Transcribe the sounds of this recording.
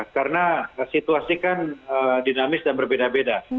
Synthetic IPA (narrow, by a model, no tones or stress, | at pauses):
karənasit̪uasikanədinamɪsdanbərbedabeda